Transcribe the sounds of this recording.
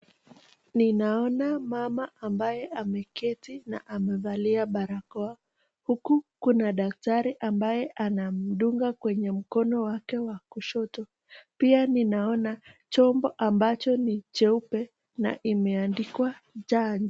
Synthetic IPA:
ninaɔnamamaambajɛamɛkɛtina̰ʔamɛvaliaɓaɾakɔa | hukukunaɗak̚taɾiʔambajɛʔanam̩ɗuŋɡakwɛɲɛm̩kɔnɔwakɛwakuʃɔtɔ | pianinaɔnat͡ʃɔmbɔʔambat͡ʃɔnit͡ʃɛupɛ | na̰ʔimɛandikwa | d͡ʒaɲd͡ʒɔ

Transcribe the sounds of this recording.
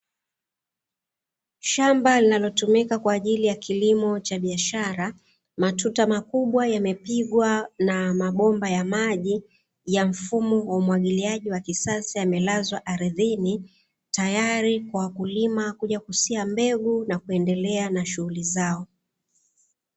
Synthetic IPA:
ʃambalinalɔtumikakwaːʄilijakʰilimɔt͡ʃaɓiaʃaɾa | matutamakuɓwajamɛpiɠwanamaɓɔmbajamaʄi | jam̩fumɔwaumwaɠiliaʄiwakisasijamɛlazwaʔaɾiðini | tajaɾikwawakulimakuʄakusiambɛɡunakuɛndɛlɛanaʃuhulizaɔ

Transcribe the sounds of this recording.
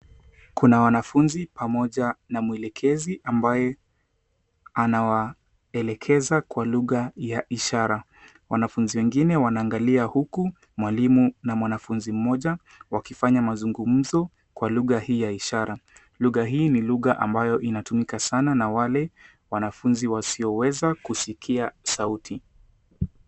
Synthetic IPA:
kunawanafunzipamɔʄanamuɛlɛkʰɛziʔambajɛ | anawa | ɛlɛkʰɛzakwaluɣajaʔiʃaɾa | wanafunziwɛŋɡinɛwanaːŋɡaliahuku | mwalimunamwanafunzim̩mɔʄa | wakifaɲamazuŋɡum̩zɔ | kwaluɣahiːjaiʃaɾa | luɣaɦiːniluɣaʔa̰mbajɔʔinatumikasananawalɛ | wanafunziwasiɔwɛzakusikʰiasautʰi

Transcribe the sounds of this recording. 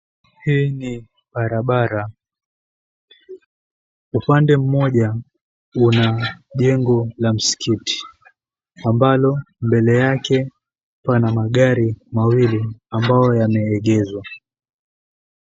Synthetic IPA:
hiːni | ɓaɾaɓaɾa | upandɛm̩mɔʄa | unaʄɛŋɡɔlam̩si̥kʰiti̥ | ambalɔ | mbɛlɛjakɛ | panamaɠaɾimawiliambajɔjamɛːɠɛzwa

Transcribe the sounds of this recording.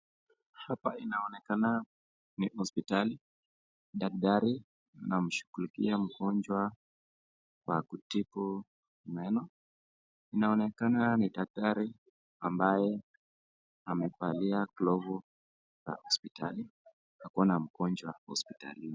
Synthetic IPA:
hapainaɔnɛkana | nihɔspitali | ɗak̚ɗaɾi | nam̩ʃu̥kulikiam̩ɡɔnd͡ʒwa | kwakutipu | mɛnɔ | inaɔnɛkananiɗak̚taɾi | ambajɛ | amɛpaliaklɔvu | za̰hɔspita̰li | hakuanam̩ɡɔnd͡ʒwahɔ̰spita̰lini

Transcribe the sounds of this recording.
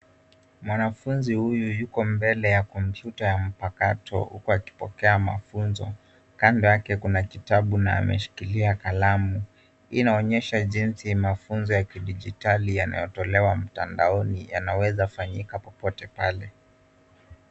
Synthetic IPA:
mwanafunzihujujukɔmbɛlɛjakɔm̩pjutajam̩pakatʰɔ̰hṵkuaki̥pɔkɛama̰funzɔ̰ | kandɔjakɛkunakitaɓuna̰ːmɛ̰ʃi̥kiliakalamu | inaɔɲɛʃaʄinsimafunzɔjakiɗid͡ʒitalijana̰jɔtɔlɛwam̩ta̰nda̰ɔnija̰nawɛzafaɲikapɔpɔtɛpalɛ

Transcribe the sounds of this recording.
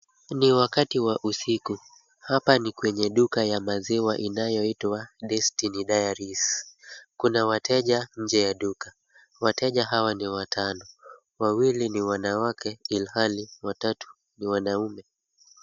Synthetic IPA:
niwakatiwaʔusiku | hapanikwɛɲɛɗukajamaziwaʔinajɔitwaɗɛstiniɗajaɾis | kunawatʰɛʄaɲ̩d͡ʒɛjaɗukḁ | watɛʄaɦawaniwatʰanɔ | wawiliniwanawakɛilhaliwatatu̥ | niwanaumɛ

